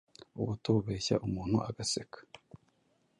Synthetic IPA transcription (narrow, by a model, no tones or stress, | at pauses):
uβutuβeːça̰ʔumuːn̥huʔaɡasekʰḁ